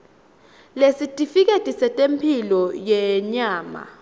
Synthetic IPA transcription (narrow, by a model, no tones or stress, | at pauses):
lesitʼifik̬ʼetʼisɛtʼempʰilɔjɛɲaːma̰